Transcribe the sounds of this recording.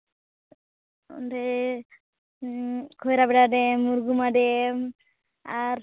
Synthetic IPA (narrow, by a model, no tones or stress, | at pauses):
ɔ̰nɾɛ | kʰɔjɾabɛɖaɖɛmːuɾɡumaɖɛm | aɾ